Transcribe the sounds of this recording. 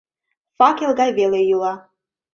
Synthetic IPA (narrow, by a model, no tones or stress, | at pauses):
fakʲʰelɡajvelejulˠa